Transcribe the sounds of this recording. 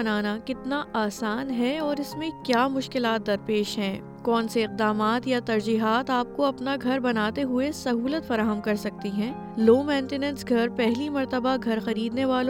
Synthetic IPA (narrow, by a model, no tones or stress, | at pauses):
ɐnaːnakɪt̪naaːsaːnɦɛɔːɾɪsmẽkjaːmʊʃkɪlaːt̪̚d̪ɐɾpeːʃɦɛ̃ː | kɔːnseɪq̚d̪aːmaːt̪jat̪ɐɾd͡ʒiːɦaːt̪aːp̚koɐpnaɡʱɐɾbɐnaːt̪eɦʊesɐɦuːlət̪fɐɾaːɦəmkɐɾsɐk̚t̪iɦɛ̃ː | loːmɛ̃ːɳʈenɛ̃nsɡʱɐɾpɛɦlimɐɾt̪əbaɡʱɐɾxɐɾiːd̪neʋaːlõ